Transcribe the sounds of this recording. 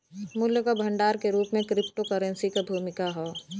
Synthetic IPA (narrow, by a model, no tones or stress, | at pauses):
mʊljəkabʱə̃ɳɖaːɾkeɾuːpmẽkɾɪp̚ʈokəɾənsikabʱuːmɪkaɦɔː